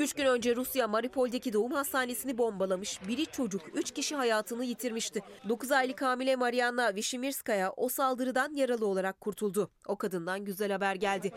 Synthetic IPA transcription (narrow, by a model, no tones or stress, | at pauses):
yt͡ʃcynø̞nd͡ʒɛɾusjamaɾipʰo̞lʲd̪ecid̪o̞umhast̪aːne̞sinibo̞mbalˠamɯʃbiɾit͡ʃʰo̞d͡ʒukyt͡ʃciʃiɦajaːt̪ʰɯnɯjit̪ʰiɾmiʃt̪ɪd̪o̞kuzajlʲˠɯkaːmilʲɛmaɾijanːˠaviʃimiɾskajaʔo̞salˠd̪ɯɾɯd̪anjaɾalˠɯo̞lˠaɾakʰːuɾt̪ʰulˠd̪u | o̞kad̪ɯnd̪anɟyzælʲhabæɾɟælʲd̪ɪ